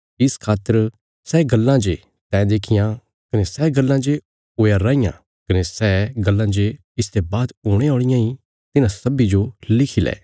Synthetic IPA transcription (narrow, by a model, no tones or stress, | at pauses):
ɪskʰaːt̪ːəɾ | sɛːɡɐlːãd͡ʒe | t̪ɛ̃ːd̪eːkʰɪjã | kɐnesɛːɡɐlːãd͡ʒe | oːjaɾaːɪjã̰ | kɐnesɛːɡɐlːãd͡ʒe | ɪst̪ebaːd̪oːɽ̃eoːɽ̃ɪjãi | t̪ɪnãsɐbid͡ʒolɪkʰilɛ̰ː